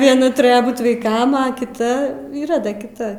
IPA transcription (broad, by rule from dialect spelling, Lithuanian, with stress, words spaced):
ʋʲiɛˈnɐ tʊˈrʲæːjoː ˈbuːt ʋɐɪˈkɐm ɐ kʲɪˈtɐ iːˈrɐ ˈdɐ kʲɪˈtɐ